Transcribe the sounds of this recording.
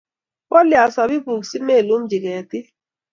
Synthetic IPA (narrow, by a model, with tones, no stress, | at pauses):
wɔ˦li˨a˨sa˨bi˦bu˨ksi˦me˦˨lu˦m̩˦d͡ʒi˨ke˨ti˦